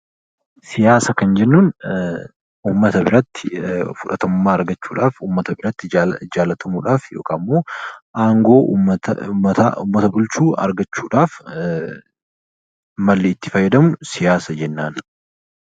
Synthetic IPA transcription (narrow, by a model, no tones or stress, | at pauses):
sɪjaːsɐkɐnd͡ʒɛnːuːn | uːmːɐt̪ɐbɪɾɐt̪ːɪfʊᶑɐt̪ɐmʊmːaːɐɾɡɐt͡ʃːuːᶑaːfuːmːɐt̪ɐbɪɾɐt̪ːɪd͡ʒaːlːɐt̪ʰɐmuːᶑaːfjo̞̰ːkʰaːmːo̞ːʔaːŋɡo̞ː | ɐt̪a̰ʊ̰mːɐt̪ɐbʊlt͡ʃuːɐ̰ɾɡɐt͡ʃːuːᶑaːf | mɐlːeːɪt̪ːɪ̥fɐjːɐd̪ɐmʊsɪjaːsɐd͡ʒɛnːaːn